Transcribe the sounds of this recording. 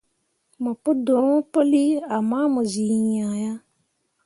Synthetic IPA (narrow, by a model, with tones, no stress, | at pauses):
mɔ̃˨pʊ˦do˨ɾ̃po˦li˦a˨mã˦mɔ̃˨zi˨ɲã˨ja˦